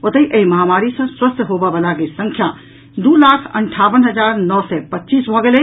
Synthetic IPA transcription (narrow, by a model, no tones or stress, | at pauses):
ot̪əiʔeiməɦamaɾisə̃swəst̪ʰɦobɛbəlaɡesə̃ŋkʰja | d̪ulakʰə̰ɳʈʰabənɦəd͡ʒaɾnɔsɛpətːt͡ʃisbʱɔɡelɛ